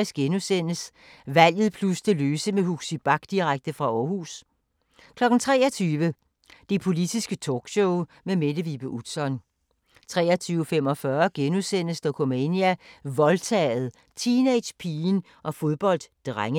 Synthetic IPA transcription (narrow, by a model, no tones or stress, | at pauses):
isɡ̥enusen̰əs | ʋæl̰jð̞̩ˠpʰlusd̥ʰe̝løːsəmeɦuɡ̥sib̥ɑ̈ɡ̥d̥iʁaɡ̥̚d̥əfʁɑ̈ɒːhṵːs | kʰlɒ̽ɡ̥n̩t͡sʰʁɛ̰ːɐt͡sʰyːʋə | d̥epʰo̝lid̥isɡ̥ət͡sʰoɡ̥ɕoʊ | memed̥əʋib̥əʔud̥sɒ̽n | t͡sʰʁɛ̰ːɒt͡sʰyːʊəfem̰ɒ̽fɶɐɡ̥enusen̰əsd̥ɒkʰomeniæʋɒ̽lt͡sʰɛːð̩ˠ | t͡sʰine̥ɕpʰiːn | ʔɒ̽fo̝ð̞ˠb̥ɒ̽l̰d̥ːʁaŋ